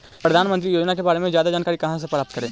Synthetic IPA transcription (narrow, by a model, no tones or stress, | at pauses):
pɾəd̪ʱaːnmənt̪̬ɾijoːd͡ʒnakebaːɾemẽzjaːd̪ad͡ʒaːnkaːɾikɐɦãs̬epɾaːp̚t̪̚kəɾẽː